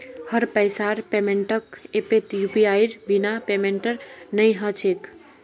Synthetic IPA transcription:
hʌɾpəjsaɾpemeɳʈəkepet̪jupiajɾbinapemeɳʈəɾnəjɦʌt͡ʃʰek

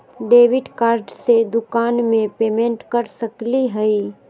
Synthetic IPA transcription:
ɖeːʋɪɖkaːɾɖsed̪ʊkaːnmẽpeːmẽɳʈkɐɾsɐkliɦəiː

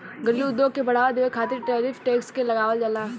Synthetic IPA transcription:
ɡəɾijuːd̪oːɡkebɐɽ̤aːʋad̪eʋekʰaːt̪ɪɾʈeːɾiːfʈeːkskelɐɡaːʋəld͡ʒəlaː

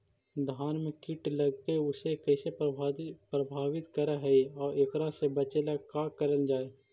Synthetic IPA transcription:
d̪ʱaːnmẽkɪʈləɡkeʊsekɛːse | pɾəbʱaːwɪt̪kəɾaɦɛiɔːɾekɾasebət͡ʃelakaːkəɾəld͡ʒaːe

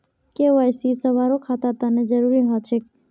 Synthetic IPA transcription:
keʋajsisəʋaɾokʰat̪əɾt̪aned͡ʒəɾuɾiɦãt͡ʃʰe

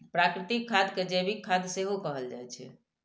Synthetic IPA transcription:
pɾakɾɪt̪ikʰːad̪ked͡ʒebikʰːad̪seɦokəɦəld͡ʒajt͡ʃʰɛ̰

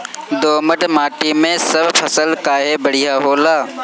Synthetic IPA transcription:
d̪oːməʈmaːʈimẽsəbpʰəsəlkaːɦebəɽ̤ijaːɦoːlaː

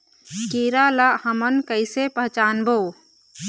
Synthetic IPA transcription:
kiːɾaːlahəmənkəɪsepəɦt͡ʃaːnbʱoː

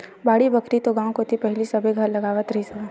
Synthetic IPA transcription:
baːɽibɐkɾit̪oɡãːw̃kot̪ʰipɛɦɪlisɐbʱeɡʱɐɾlɐɡaːʋət̪ɾisɐba

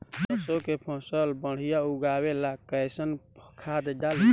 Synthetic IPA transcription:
pəsokepʰə̃səlbəɽ̤ijauɡawelakəsənpʰəkʰad̪d͡ʒali

